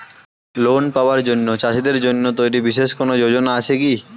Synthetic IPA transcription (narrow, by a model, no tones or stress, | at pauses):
lonpaoaɾd͡ʑonːot͡ɕaʃid̪eɾd͡ʑonːot̪ojɾibiʃeʃkonod͡ʑod͡ʑonaat͡ɕʰeki